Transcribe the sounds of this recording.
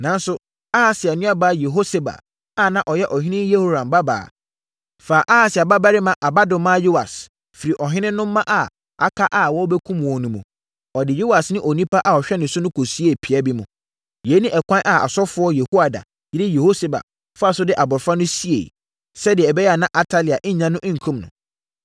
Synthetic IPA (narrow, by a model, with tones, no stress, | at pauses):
nã˨n˦sʊ˦ | a˦ha˨sɪ˨a˨nʊ̃˦a˦ba˨˦je˨ɦo˦se˨ba̰˨ | a˦˨nã˦ʔɔ˨jɛ˦ʔɔ˨ɦɪ̃˦nɪ̃˦je˦ho˦ɾã˨mba˦ba̰ː˨ | faː˨ʔa˦ha˨sɪ˨a˨ba˦ba˦ɾɪ˦mã˦ʔa˨ba˦dʊ̃˨mã˦jo˦a̰˨s | fi˨ɾi˨ʔɔ˨ɦɪ̃˦nɪ̃˦nːʊ̃˦m̩˦mã˦ʔa˨ | a̰˨kʰa˦ʔa˨wɔ˦bɛ˦kʰũ˦m˨wɔ̃˨nũ˨mũ˨ | ɔ˨dɪ˨jo˦a˨snɪ̃˦ʔɔ˨nĩ˦pa˦ʔa˨ɔ˨ɕᶣɛ˦nɪ̃˨sʊ˦nʊ̃˦kʰo˨si˦e˦˨pʰi˨a˦bi˦mʊ̃˨ | je˨˦nĩ˦ʔɛ˨kʷʰã˦ʔa˨a̰˨sɔ˦fʊ˨˦ɔ˦je˨hu˦a˨da̰˨ | jɪ˦ɾɪ˦je˨ho˦se˨ba̰˨ | fa˨sʊ˦dɪ˦ʔa˨bʊ˨fa˦nʊ̃˦si˦ḛ˨ | sɛ˦dɪ˨ɛ˨ɛ˨bɛ˦jɛ˦a˨nã˦ʔa˨tʰa˦li˨a˨ʔɪ̃˦ɲ̩˦ɲã˦nʊ̃˦ʔ̩˦ŋ̩˨kʰũ˦mnʊ̰̃˨